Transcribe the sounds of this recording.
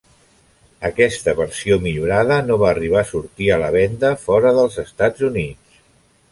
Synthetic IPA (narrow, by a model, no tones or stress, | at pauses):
əkɛst̪əβəɾsiomiʎuɾaðənoβaːriβ̞aːsuɾt̪iələβɛnd̪əfɔɾəðəlˠzəst̪ad͡zunit͡s